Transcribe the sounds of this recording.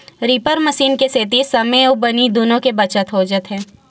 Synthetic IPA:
ɾiːpəɾməʃiːnkeseːt̪̬isɐmẽobɐnid̪oːnõkebɐt͡ʃət̪ɦoːd͡ʒət̪ɦɛː

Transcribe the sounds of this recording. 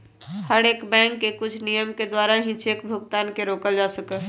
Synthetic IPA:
həɽekbɛ̃ŋkːekʊt͡ʃʰnijəmked̪waɾaɦĩt͡ʃeːkbʱuɡt̪aːnkeɾoːkəld͡ʒasəkə

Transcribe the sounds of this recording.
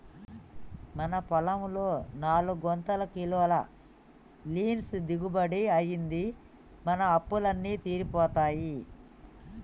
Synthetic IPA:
mɐnɐpɔlɐmloːnaːluɡɔnt̪ɐlɐkilɔːlɐ | liːnsd̪iɡubɐɽiɐjind̪i | mɐnɐːpːulɐnːiːt̪iːɾipɔːt̪aːji

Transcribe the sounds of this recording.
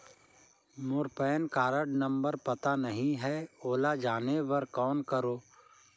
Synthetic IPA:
mʊɾpɛːnkaːɾəɖnɐ̃mbəɾpɐt̪anɐɦĩɦɛoːlad͡ʒaːneʋɐɾkɔːnkɐɾoː

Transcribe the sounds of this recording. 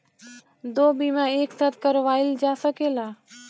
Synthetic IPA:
d̪oːbiːmãːeːkt̪ət̪̚kəɾʋaːɪld͡ʒaːsəkeːlaː

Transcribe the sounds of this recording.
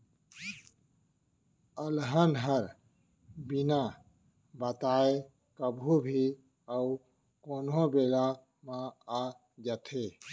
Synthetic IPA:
əlɦənɦəɾ | bina | bət̪aːe | kəbʱubʱi | əu | koːnɦõbeːla | mãa | d͡ʒət̪ʰe

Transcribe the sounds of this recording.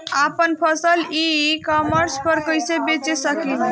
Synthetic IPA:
apənpʰəsəlikɔməɾspəɾkəjsebet͡ʃesəkin

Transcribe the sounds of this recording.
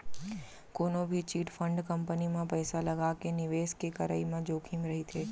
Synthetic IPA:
konobʱit͡ʃiːʈfʰəɳɖkəmpənimãpəjsaləɡakenɪʋeskekəɾə̰imãd͡ʒoːkʰimɾəɦit̪ʰeː

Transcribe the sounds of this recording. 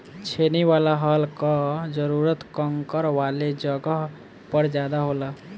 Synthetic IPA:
t͡ʃʰeniwalaɦəlkəd͡ʒəɾuɾət̪kəŋkəɾʋaled͡ʒəɡəɦ | pəɾd͡ʒad̪aɦolə

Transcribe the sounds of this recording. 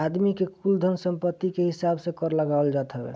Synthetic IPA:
ad̪mikekuld̪ʱənsəmpət̪ːikeɦisabsẽkɔɾləɡaold͡ʒat̪ɦɛbḛ

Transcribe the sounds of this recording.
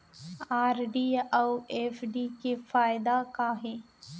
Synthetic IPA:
aːɾɖiːɐweːfɖikefaːjɪd̪akaɦeː

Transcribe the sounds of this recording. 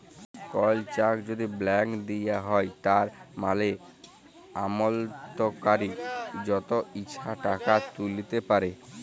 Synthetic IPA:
kɔlt͡ɕakd͡ʑod̪iblɛŋkd̪ijaɦɔet̪aɾmale | amolt̪okaɾid͡ʑɔt̪oiːɕʰaʈakat̪ulit̪epaɾe

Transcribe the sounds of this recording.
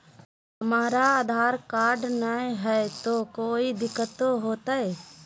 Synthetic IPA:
ɦəmaːɾaaːd̪ʱaːɾkaːɾɖnaẽɦɛet̪oːkoːid̪ɪkːət̪oɦoːt̪aːɛ

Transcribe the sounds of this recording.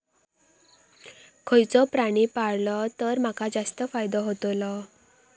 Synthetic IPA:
kʰojt͡sɔpɾaɽ̃ipaɽlɔt̪əɾm̤akʰad͡zast̪əfajd̪ɔɦot̪olɔ

